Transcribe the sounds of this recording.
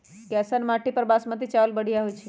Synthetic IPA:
kɛsənmaʈipəɾbasmət̪̬it͡ʃalbəɽ̤ijaɦojt͡ʃʰi

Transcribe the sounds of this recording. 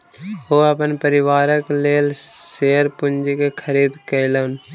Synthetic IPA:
oːəpənpəɾɪʋaːɾəkleːlseːəɾpʊnd͡ʒikekʰəɾiːd̪kələn

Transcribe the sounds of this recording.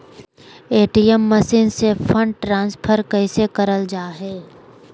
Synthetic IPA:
eːʈijəmːəsiːnsefʰə̃ɳɖʈɾãːnspʰəɾkɛɪsekɐɾəld͡ʒaːɦɛː

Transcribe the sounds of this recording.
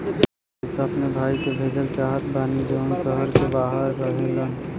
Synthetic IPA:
ɦɪsabnebʱaːikebʱeːd͡ʒəlt͡ʃaːɦət̪baːnid͡ʒoːsəɦəɾkebaːɦəɾːəɦelən

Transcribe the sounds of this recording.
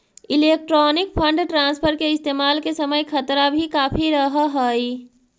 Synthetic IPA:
ɪleːk̚ʈɾɔːnɪk̚pʰə̃ɳɖʈɾãːnspʰəɾkeɪst̪eːmaːlkesəməjkʰɐt̪ɾabʱikaːpʰiɾəɦɦəi

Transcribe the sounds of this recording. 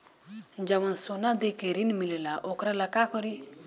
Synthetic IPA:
ɲd͡ʒamansonad̪ekeɾinmilelaʔokɾalakakɔɾi

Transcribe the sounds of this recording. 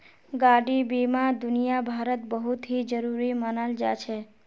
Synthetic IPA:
ɡaɖibimãd̪ʊnijabʱaɾət̪̚bəɦut̪ɦid͡ʒəɾuɾimənald͡ʒa̰t͡ʃʰe

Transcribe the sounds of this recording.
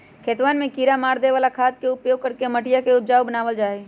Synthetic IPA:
kʰeːt̪ʋaːnmẽkiːɾamaːɾd̪eʋaːlakʰaːd̪̚keʊpjoːɡ̚kəɾkeməʈijakeʊd͡ʒaːwbənaːʋəld͡ʒaːe

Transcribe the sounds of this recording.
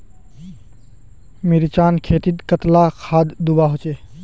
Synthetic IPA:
miɾt͡ʃankʰet̪it̪kət̪lakʰad̪d̪ubaɦot͡ʃe

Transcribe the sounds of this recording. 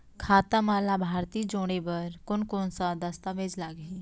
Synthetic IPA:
kʰaːt̪əmaːlaːbʱaːɾt̪iːd͡ʒoːɽ̃eːbəɾkʊnkoːnsãːd̪əst̪ãːʋed͡ʒlaːɡɦiː

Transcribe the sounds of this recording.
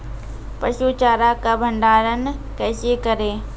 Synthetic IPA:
pɐʃuːt͡ɕaːɾakɐbʱə̃ɳɖaːɾənɪkɛːsekɐɾeː

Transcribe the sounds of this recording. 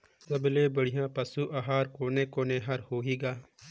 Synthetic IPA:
səbleːbəɽ̤ɪjãːpəsuːʔaɦaːɾkoːnẽːkoːnẽːɦɐɾhoːɦiːɡaː

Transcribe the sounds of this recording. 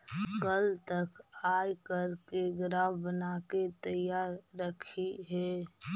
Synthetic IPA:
kəlt̪əkaːjkəɾkeɡɾaːbənaːket̪əjaːɾːəkʰiɦɛː

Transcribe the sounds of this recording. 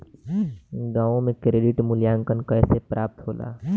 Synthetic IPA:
ɡaːõmẽkɾeːɖɪʈmʊljaːŋkənkəjsepɾaːp̚t̪ɦoːla̰ː

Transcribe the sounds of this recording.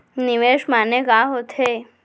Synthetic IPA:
niʋeʃmanekaɦot̪ʰe

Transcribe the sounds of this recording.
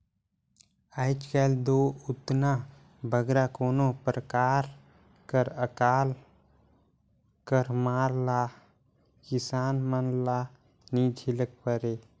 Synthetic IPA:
aɪt͡ʃkɛld̪oːʊt̪na | bʱəɡɾakoːnopɾəkaːɾ | kəɾəkaːl | kəɾmaːɾlaː | kɪsaːnmənlaː | nid͡ʒʱɪlək̚pəɾe

